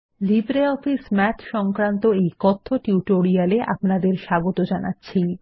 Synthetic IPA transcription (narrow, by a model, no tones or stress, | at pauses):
libɾeɔfismɛt̪ʰʃɔŋkɾant̪oejkɔt̪ʰːoʈuʈoɾialeʔa̰pnad̪eɾʃaɡot̪od͡ʑanatːɕʰij